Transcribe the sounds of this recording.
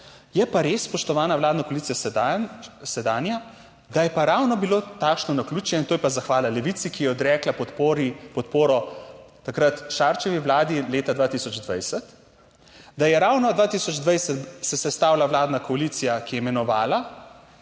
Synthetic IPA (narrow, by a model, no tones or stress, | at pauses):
jɛpaɾeːsːpɔʃt̪ɔʋaːnaʋlaːd̪nakoɔaliːsija | sɛd̪aːnja | d̪ajɛpaɾawnɔbiloːt̪aːkʃnɔnakluːt͡ʃɛɛnt̪oːjɛpazaxʋaːlalɛʋit̪sikijɛɔd̪ɾɛːklaɾpɔt̪poːɾɔːakɾat̪ʃaːɾt͡ʃɛʋiwlaːd̪ileːt̪ad̪ʋaːt̪isɔd͡ʒd̪ʋa̰jsɛt̪ | d̪ajɛɾaːwnɔd̪ʋaːt̪isɔd͡ʒd̪ʋajsɛt̪sɛsɛst̪aːwlaʋlaːd̪nakɔalit̪sijakijɛmɛnɔʋaːla